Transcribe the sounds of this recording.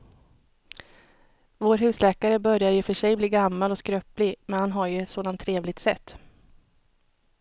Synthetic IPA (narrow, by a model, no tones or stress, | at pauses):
voːɾɦʉ̟ːslɛːkaɾəbœɾjaɾjɵfœʂɛjbliːɡamːalɔskɾœːplɪmɛnhanɦaɾjɵɛt̪soːd̪ant̪ʰːɾeːvlɪɡ̚t̪sɛt̪ː